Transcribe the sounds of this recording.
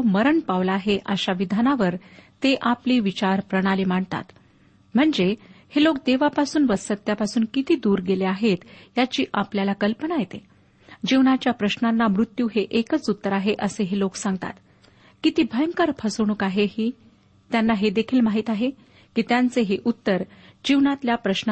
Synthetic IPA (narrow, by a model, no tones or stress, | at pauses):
məɾəɳpaʋlaːɦeʔəɕaʋid̪ʱanaʋəɾt̪eʔapliːʋit͡ɕaɾpɾəɽ̃aliːm̤aɳt̪a̰t̪ | m̤əɳd͡zehelok̚d̪eʋapasuːnʋəsət̪japasuːnkit̪iːd̪uːɾɡeleaɦet̪jat͡ɕiːʔapljalakəlpənajet̪e | d͡ʑiʋwnat͡ɕjapɾəɕnanːamɾut̪ːjuːɦeʔekət͡sut̪ːəɾaɦeʔəseɦeloksãŋɡ̚t̪a̰t̪ | kit̪iːbʱəjəŋkəɾpʰəsəʋɳukaɦehiː | t̪janːaɦed̪ekʰiːlmaɦiːt̪aɦe | kiːt̪jant͡seɦeʔut̪ːəɾd͡ʑiʋnat̪ljapɾəɕn